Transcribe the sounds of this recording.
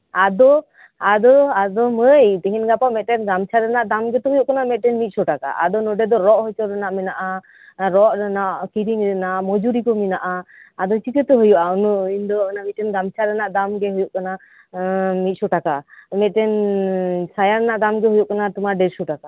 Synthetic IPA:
ad̪ɔ | ad̪ɔad̪ɔməjt̪ɛɦinɡapaʔmɛʈɛnɡamt͡ʃʰaɾɛnaʔd̪amɡɛt̪ɔɦɔjuʔkanamɛt̪̚ʈɛnmit̪̚sɔʈaka̰ʔa̰d̪ɔnɔɖɛd̪ɔɾɔʔhɔjt͡ʃɔɾɛnaʔmɛnaʔa | ɾɔʔnaʔkiɾiŋɾɛnaʔmɔd͡ʒuɾikɔminaʔaːd̪ɔt͡ʃikət̪ɔɦɔjuʔaɔnɔind̪ɔɔnamit̪ʈɛnɡamt͡ʃʰaɾɛnaʔd̪amɡɛɦujuʔkana | mit̪̚sɔʈakamɛt̪̚ʈɛn | sajaɾɛnaʔd̪amɡɛɦujuʔkanat̪ɔmaɖɛɾsuʈaka

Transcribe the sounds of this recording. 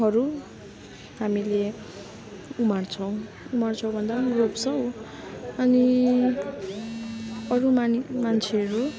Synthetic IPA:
ɦʌɾu | ɦamile | umart͡sʰʌw̃ | umart͡sʰʌw̃bʱʌnd̪amropsʌw | ʌni | ʌɾumamant͡sʰeʌɾu

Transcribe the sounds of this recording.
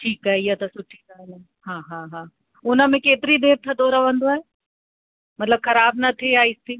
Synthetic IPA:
ʈʰiːkaːɦeijɐt̪ɐsʊʈʰinaːne | ɦãːɦãːɦãː | ʊnə̆mẽkeːt̪ɪɾid̪eːɾt̪ʰɐd̪oɾɐʋə̃nd̪oaːɦe | mɐt̪ləbxɐɾaːb̚nɐt̪ʰiaːɦist̪iː

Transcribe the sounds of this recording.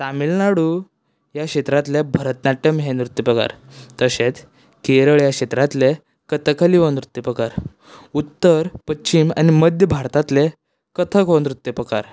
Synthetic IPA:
t̪amilnaɽu | jakɕet̪ɾat̪lebʱəɾət̪naʈːəmɦenɾut̪ːipɾəka̰ɾ | t̪əɕet͡s | keɾəɭjakɕet̪ɾat̪le | kət̪ʰəkʰəliʋonɾut̪ːjipɾəkaɾ | ut̪ːəɾpətːɕima̰niməd̪ʱjəbʱaɾt̪at̪le | kət̪ʰəkond̪ɾut̪ːjipɾəka̰ɾ

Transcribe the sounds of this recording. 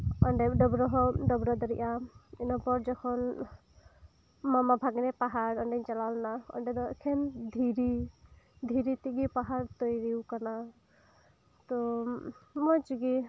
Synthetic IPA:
ɔɳɖɛɖɔbɾɔɦɔɖɔbɾɔd̪ɔɾiʔaḭnɔpɔɾd͡ʒɔkʰɔn | mamabʱaɡnɛpaɦaɾɔɳɖɛɲt͡ʃalawlnaɔ̰ɳɖɛd̪ɔʔkʰɛnd̪ʱiɾi | d̪ʱiɾit̪iɡipaɦaɾt̪ɔjɾiwkana | t̪ɔ | mɔt͡ʃɡi

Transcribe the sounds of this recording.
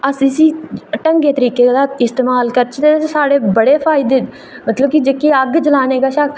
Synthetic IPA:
əsĩːsiːʈəŋɡeːt̪əɾiːkeːd̪aːɪst̪eːmaːlkəɾt͡ʃʰt̪eːsaːɽeːbəɽeːpʰaːɪd̪eː | mət̪ləbkid͡ʒeːkeːəɡd͡ʒəlaːneːɡaːʃəkʰ

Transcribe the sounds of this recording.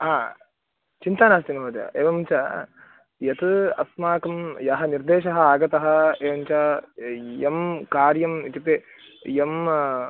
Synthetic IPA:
ɦaː | t͡ʃint̪aːnaːst̪inɐʋɐːd͡ʒɐ̰ʔeːʋɐmɲt͡ʃɐ | jɐt̪ɨɐsmaːkɐmjɐɦɐniɾd̪eːʃɐɦɐaːɡɐt̪ɐɦɐ̆eːʋɐmt͡ʃɐ | jɐmkaːɾjɐmit̪ip̪e | jɐm

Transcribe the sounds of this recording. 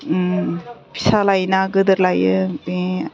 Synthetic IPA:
pi̥salajnaɡɯd̪ɯɾlajɯbi

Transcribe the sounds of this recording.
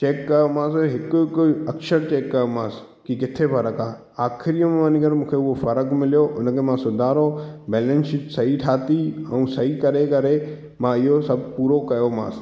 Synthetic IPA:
t͡ʃeːkːɐjomãːsɦɪkʊkʊɐkʃəɾt͡ɕeːkːɐjomãːs | kikɪt̪ʰefɐɾəkaː | aːkʰɪɾijõmʋãniɡɐɾmũːkʰeʊɦofɐɾəkmɪlijoʔʊnəkʰemãːsʊd̪ʱaːɾobɛːlɛ̃nsɪsɐɦiʈʰaːt̪iɛũsɐɦikɐɾekɐɾe | mãɪɦosɐbʱpuːɾokɐjomã̰ːs

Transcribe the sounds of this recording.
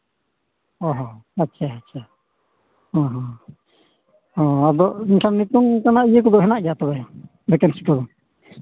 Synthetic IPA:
ɔ̃ɦɔ̃atːʃʰaːtːt͡ʃʰa | hɔ̃ɦɔ̃ | hɔ̃ad̪ɔʔinʈʰannit̪uŋkanaʔijəkɔd̪ɔʔɦɛnaʔɡat̪ɔbɛ | d̪ɛkɛnsi̥kɔd̪ɔ

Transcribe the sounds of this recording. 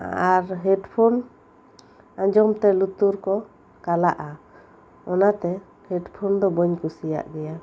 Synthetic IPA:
aɾɦɛɖpʰon | ãɲd͡ʒɔmt̪ɛlut̪uɾkɔ | kala̰ʔa | ɔnat̪ɛ | hɛɖpʰɔnd̪ɔbɔɲkusija̰ʔɡɛja

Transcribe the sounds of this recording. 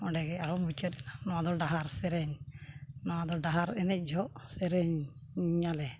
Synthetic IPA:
ɔɖɛɡɛaɾɔmut͡ʃətɛlanɔad̪ɔɖaɦaɾsɛɾɛɲ | nɔad̪ɔɖaɦaɾɛnɛc̚ˀd͡ʒʱɔʔsɛɾɛɲ | ɲalɛ

